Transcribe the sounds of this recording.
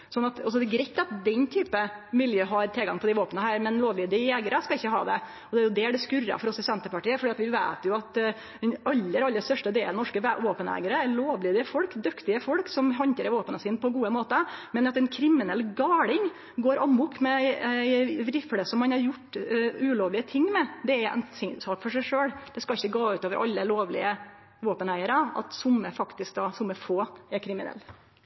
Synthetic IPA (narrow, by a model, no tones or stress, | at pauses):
sɔnːɑt̪ɑs̬ɔd̪ɛɡɾɛɪt̪ːɑt̪̚d̪ɛnt̪ʰyːpəmɪljøːɦɑɾt̪ʰɛlɡɑŋpʰɔd̪æɪʋoːpənəɦæːɾmɛnloːʋliːd̪ɪjeːɡəɾəskɑɪçːəɦɑ̰ːd̪ɛ | ɔd̪ɛæɾjʊd̪ɛæɖɛskʉɾɑ̰fɔɾɔsɪsɛnt̪əpɑʈiːəfɔɾɖiːɑt̪ʋɪʋæɪt̪jʊɑt̪ | d̪ɛnɑlːəɾɑlːəst̪œʂʈəd̪eːlənɔʂkəʋoːpənɛ̰ːɡəɾəæɾɭoːʋliːd̪ɪfɔlkd̪ʉkt̪ɪəfɔɽksɔmɦɑnt̪əɾʋoːpənəsɪːnpʰɔɡuːəmoːt̪əmɛnɑt̪ɛnkʰɾɪmːɪnɛlːɡɑːɽɪŋ | ɡoːɾʔɑmːʊkmɛɪæɪʋɾɪfləsɔmːɑnhɑɾjʊʈːʉːloːʋlɪət̪ʰɪŋːmɛd̪ɛæɾɛ̰nsɪŋsɑːkfɔʂæɪʂøːɽd̪̥ɛskɑɪçːəɡɑːʉːt̪oːʋəɾʔɑ̰lːəloːʋlɪ̰ə | ʋoːpənæɪəɾəɑ̰t̪sʊmːəfɑkt̪ɪsk̚d̪ɑsʊmːəfoːæɾkʰɾɪmɪnɛ̰lː